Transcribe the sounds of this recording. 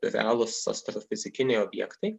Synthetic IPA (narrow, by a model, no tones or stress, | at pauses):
ɾʲɛ̰ɑːlˠʊsɐ̰sʲt̪ɾɔfʲɪzʲɪkʲɪnʲɛɪoːbʲjɛ̰kt̪ɐɪ